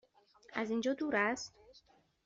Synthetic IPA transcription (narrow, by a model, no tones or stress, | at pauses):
æzind͡ʒɒːd̪uːɾæst̪